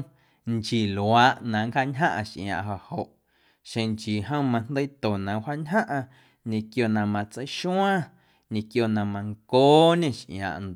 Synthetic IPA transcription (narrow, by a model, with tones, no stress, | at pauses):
nt͡ʃi˨lwaː˨˦ʔnã˨ŋka˦˧ɲɦã̰˦ʔa˧ʃʔj̰̃ã̰ː˨ʔɦo˨ho˨ʔ | ʃẽ˧ŋt͡ʃiː˨ɦə̃˦wmã˧n̥d̪ə˦t̪o˨nã˨hwa˦ʔɲɦã˦ʔã˧ | ɲẽ˧kjo˧˨nã˧mã˧t͡sə˧jʃũ˦ãː˦ | ɲẽ˧kjo˧˨nã˧mã˧ŋkoː˦ɲẽ˦˨ʃʔã̰ː˨ʔn˨